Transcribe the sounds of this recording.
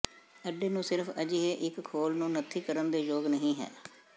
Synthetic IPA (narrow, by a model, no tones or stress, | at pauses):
əɖeːnũːsɪɾfəd͡ʒiːɦeːʔɪkkʰːoːlnũːnət̪ʰːiːkəɾənd̪eːd͡ʒoːɡnəɦĩːɦɛ̰ː